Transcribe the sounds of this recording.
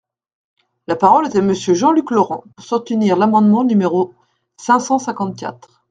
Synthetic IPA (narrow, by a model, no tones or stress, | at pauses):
lapaʁɔlet̪aməsjøʒɑ̃lyklɔʁɑ̰̃puʁsuʁt̪yniʁlamɑ̃d̪mɑ̃nymeʁo | sɛ̃sɑ̃sɛ̃kɑ̃t̪̚kʲa̰t̪χ